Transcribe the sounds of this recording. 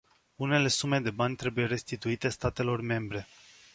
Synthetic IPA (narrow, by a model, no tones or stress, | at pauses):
une̞le̞sume̞d̪e̞banʲt̪ɾe̞buje̞ɾe̞st̪it̪uit̪e̞st̪at̪e̞lo̞rme̞mbɾe̞